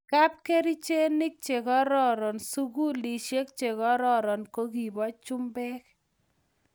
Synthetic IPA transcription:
ka˦p̚ke˦ɾi˦t͡ʃe˦nɪ˦k̚t͡ʃe˨ɡɔ˦ɾɔ˦ɾɔ˨nsu˦ɡu˦li˨ʃe˦kt͡ʃe˨kɔ˦ɾɔ˦ɾɔ˨nko˦ɡi˨bɔ˦t͡ʃʊ˦mbɛ˦k

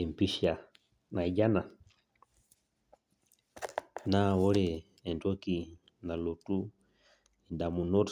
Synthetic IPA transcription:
ɛ˨m˨pi˦ʃa˨ | na˨i˨ɟa˦na˨ | na˦wɔ˦ɾɛː˨ | ntɔ˦ki˨ | na˨lɔ˨tu˦ | ɛ˨nda˨mu˨nɔ˦ɾ

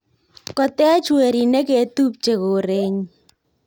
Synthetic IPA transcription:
kɔ˨tɛ˦t͡ʃwe˨ɾi˨ne˦ke˨˦tu˦p̚t͡ʃe˨ko˨ɾe˦ɲ

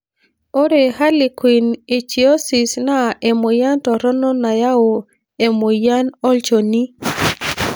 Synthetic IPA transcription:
o˦ɾe˨ha˦lɪ˨kwi˨ne˨t͡ʃi˨o˦si˨sna˦ʔe˨mo˨ja˦ntɔ˨ɾɔ˦nɔ˦na˨ja˦o˨ | e˨mo˨ja˦nɔ˦lt͡ʃo˨ni˦

